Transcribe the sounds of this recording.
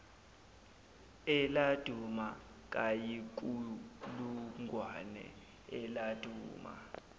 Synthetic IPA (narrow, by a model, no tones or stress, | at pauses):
ɛlad̥ʱuma | k̬ʼajik̬ʼuluŋʱwanɛ̰ | ɛlad̥ʱuːma̰